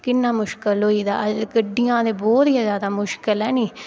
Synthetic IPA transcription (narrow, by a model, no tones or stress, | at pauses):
kɪnːãːmʊʃkəlɦoːiːd̪a̰ːəd͡ʒɡəɖːɪjãːd̪eːbɔːt̪iazjaːd̪aːmʊʃkəlɛːnĩː